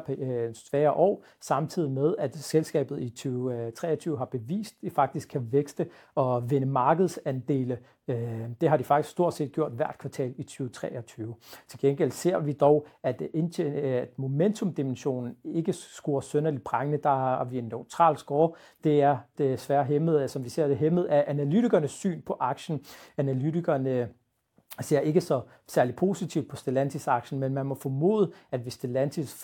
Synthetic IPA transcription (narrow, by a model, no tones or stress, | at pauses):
pʰnsʋæːɐʔɒ̰ː | sɑ̈mt͡sʰið̞̰ˠimeð̞ˠæd̥selsɡ̥ɛ̰ːb̥ð̩ˠit͡sʰyːt͡sʰʁɛ̰ːɒt͡sʰyːʊɦhɑ̈b̥e̝ʋḭːsd̥̚d̥ifɑ̈ɡ̥d̥isɡ̥ʰæʋeɡ̥sd̥ə | ɒ̽ʋe̝nəmɑ̈ːɡ̥əð̞̩ˠsænd̥e̝̰ːlə | d̥e̝ɦɑ̈ɾ̥ifɑ̈ɡ̥isɡ̥sd̥o̝ɐ̰d̥se̝̰ːd̚ɡ̥jo̝ɐ̰d̥ʋæɐ̰d̥̚kʰʋɑ̈t͡sʰɛ̰ːlit͡sʰyːʊt͡sʰʁɛ̰ːɒ̽t͡sʰyːʊt͡sʰe̝lɡ̥enɡ̥el̰̥se̝ɐ̰ʋid̥ɒʊæd̥ened̥mo̝ment͡sʰɔ̽md̥imenɕo̝̰ːnn̩e̝ɡ̥əsɡ̥uɐsønɐlib̥ʁɑ̈ŋnəd̥ɑ̈ʋienːøʊt͡sʰʁɑ̰̈ːlsɡ̥ɒː | d̥e̝æɐd̥esʋæːɐɦemð̩ˠæsɒ̽mʋise̝ɐ̰d̥e̝ɦemð̞̩ˠæʔænælyt͡siɡ̥ɐnəsːy̰ːnpʰɒ̽ʔɑ̈ɡ̥ɕn̩ænælydiɡ̥ɐnə | se̝ɐ̰e̝ɡ̥əsɒ̽ | sæɐlid̥̚pʰo̝sit͡sʰiʊ̰d̥̚pʰɒ̽sd̥elænt͡sʰisɑ̈ɡ̥ɕn̩menmænmɒ̽fɔmo̝̰ːðˠəæd̥ʋe̝sd̥e̝lænt͡sʰis